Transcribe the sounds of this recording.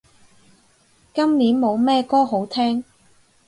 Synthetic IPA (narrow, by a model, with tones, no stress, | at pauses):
kɐ˥mniː˨˥nmo˨˧wmɛː˥˧kɔː˥ɦo˨˥wt̪ʰɛː˥ŋ